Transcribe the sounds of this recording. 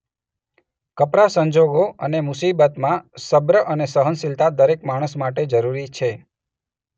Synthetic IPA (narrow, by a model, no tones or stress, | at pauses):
kəpɾasəɲd͡ʒoɡoənemusibət̪mãsəbɾəʔənesəɦənsilt̪ʰad̪əɾekmaɽ̃əsmaʈed͡ʒəɾuɾit͡ʃʰe